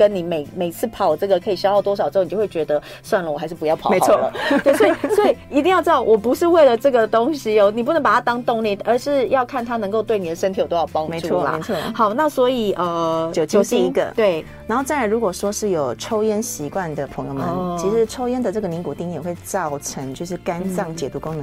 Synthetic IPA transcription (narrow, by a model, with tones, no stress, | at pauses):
kə˦˥nni˨˩me˨˩ɪme˨˩ɪt͡sʰɹ̩˥˩pʰɑ˨˩ʊʈ͡ʂɤ˥˩ɡə˩kʰə˧˥i˨˩ɕjɑ˥ʊxt̪wɔ˥ʂɑ˨ʊʈ͡ʂ̩˧˥˩n˨˩o˥˧we˥˩t͡ɕɥɛ˧˥d̪ə˧ | swa˥˩nlə˨˩wɔ˨˩xa˧ɪʂɻ̩˥˩pu˧˦jɑ˥˩ʊpʰɑ˨˥e˧˦˨lə̰˩t̪we˥˩ɪwɔ˥i˩swɔ˧˥i˨i˧˥t̪i˥˧ŋjʊʈ͡ʂɻɑ˥˩wʔɔ˨˩pu˧˦ʂɻ̩˥˧we˥˩ɪlə˨˩ʈ͡ʂɤ˥˩ɡə˨t̪o˥ŋɕi˨o˥˩ni˨˩pu˥˩˧ŋpa˨˩t̪ʰa˥t̪ɑ˥ŋt̪ŋli˥˩ə˞˧˥ʂɻ̩˥˧jɑ˥˧ʊkʰa˥˩nt̪ʰa˥nə˧˥ŋko˥˧ʊwe˥˩ɪni˨˩ə˩ʂə˥nt̪ʰjo˧ʊt̪o˥ʊjɑ˥˩pɑ˥˦ŋme˧˦u˥˧la̰˨˧˦ɔ˥xɑ˨˩ʊna˥˩swɔ˧˥i˨˩ʔə˩t͡ɕjo˨˩t͡ɕjo˨ʊi˥i˧˥ɡə̰˧˦t̪we˥˩ɪna˧nxo˥˧ʈ͡ʂa˥na˧˥ɻu˧˥kwɔ˨˩ʂwɔ˥ʂɻ̩˥˩jo˨˩ʊʈ͡ʂʰo˥ʊjɛ˥nɕi˧˥kwa˥˩nd̪ə˩pʰə˧˥ŋjo˧ʊmə˧˦t͡ɕʰi˧˥ʂɻ̩˧˥ʈ͡ʂʰo˥ʊjɛ˥nd̪ə˨ʈ͡ʂə˥˩ɡə˨ni˧˥ŋku˨˩t̪i˥˩ŋjɛ˨˩xwe˥˧ɪt͡sɑ˥˩ʊʈ͡ʂʰə˧˦ŋt͡ɕjo˥˧ʂɻ̩˥˩ka˦˥nsɑ˥˩ŋt͡ɕjɛ̰˨˩t̪u˧˥kʊ˦ŋnə˧˦